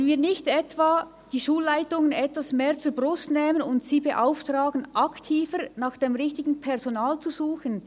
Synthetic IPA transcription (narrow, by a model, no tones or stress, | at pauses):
nviːnɪçtɛtv̥a | d̥iːʃuːlːaɪtʊŋənɛtvasmeːʁt͡suːɐbʁʊstnɛːmənʊntsiːbeʔaʊftʁaːɡənʔaktʰiːfəɾnɑːxd̥emʁɪçtɪɡn̩pʰɛʁzonaːlt͡suzuːxən